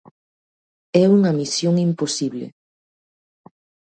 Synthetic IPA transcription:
ɛuŋɐmisjoŋimposiβlḛ

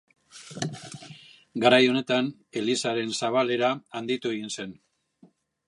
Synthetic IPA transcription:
ɡaɾajo̞ne̞t̪an | e̞lisaɾe̞nsaβale̞ɾaːnd̪it̪ue̞ɣinse̞n

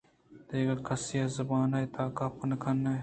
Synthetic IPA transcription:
d̪eːɡɐkʰɐsijazɐbaːnɐjt̪aːkaːpɐnɐkʰɐnːɐj

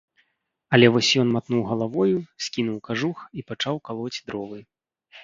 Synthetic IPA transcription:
ɐlʲɛvɔsʲjɔnmat̪nuwɣɐlˠavɔjusʲkʲin̪uwkaʐuxipat͡ʂawkalˠɔt͡sʲd̪ɾɔvɨj

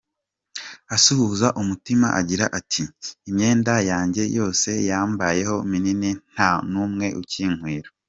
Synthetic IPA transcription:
asuhuzaʔumutimaʔaɟiɾaʔatʰiːmɲe̞ːndajaːɲɟe̞jo̞ːse̞jaːmbaje̞ho̞mininin̥hanumŋe̞ʔuciːŋ̥hwiːɾo

